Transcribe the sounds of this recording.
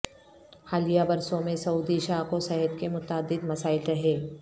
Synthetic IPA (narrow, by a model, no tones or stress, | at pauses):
xaːlijabɐɾsõmẽsɐuːd̪iʃaːkosɛɦəd̪kemʊt̪əəd̪ːɪd̪mɐsaːɪlɾɐɦeː